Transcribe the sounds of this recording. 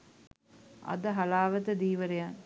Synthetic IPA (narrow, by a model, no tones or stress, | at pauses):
ɐ̰d̪əɦɐlaːʋət̪əd̪iːʋəɾejan